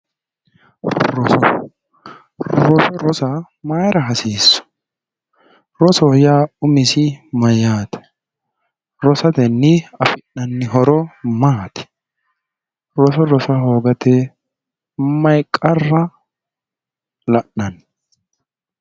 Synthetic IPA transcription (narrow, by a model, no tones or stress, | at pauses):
ɾɔsɔ | ɾɔsɔɾɔsɐ | maːjɾɐɦɐsiːsːɔ̥ | ɾɔsɔjaːʊmɪsɪmɐjaːt̪ɛ̥ | ɾɔsɐt̪ɛnːɪɐfɪnnɐnːɪɦɔɾɔmaːt̪ɛ̥ | ɾɔsɔɾɔsɐɦoːɡɐt̪ɛ | mɐjkʼːɐrːɐ | lɐʔnɐn